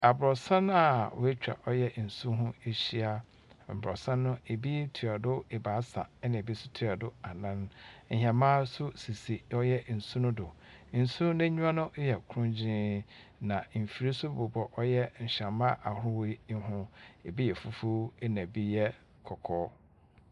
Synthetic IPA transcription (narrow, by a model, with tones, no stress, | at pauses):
a˨bɾɔ˨sã˦n˦a˨wʊ˦e˦t͡ɕᶣa̰˨ʔɔ˦jɛ˦˨n̩˨sũ˦ɦʊ̃˦e˦ɕi˦a˦ | m̩˨bɾɔ̰˨sã˦nʊ̃˦e˨bi˦tʰi˨a˨dʊ˦e˨baː˨˦sa̰˨ɛ˦nã˨bi˦sʊ̥˦tʰi˦˨a˨dʊ˦a˨nã˦n˦ɲ̩˨hã˨mãː˦sʊ˦si˨si˨ɔ˦jɛ˦n̩˨sũ˦nʊ̃˦dʊ˨ | n̩˨sũ˦nʊ̃˦nɪ̃˦ɲũ˦ã˦nʊ̃˦jɛ˨kʰʊ˨ɾʊ̃˦ɲ˦d͡ʑɪ̃˦ | nã˨m̩˨fi˨ɾi˦sʊ˦˨bʊ˨bɔ˨ʔɔ˦jɛ˦ɲ̩˨ɕã˨mã˦ʔa˨hʊ˦wɦʊ̃˦e˨bi˦jɛ˨fu˦fu˦ɛ˦nã˨bi˦jɛ˦ | kʰɔ˨kʰɔː˦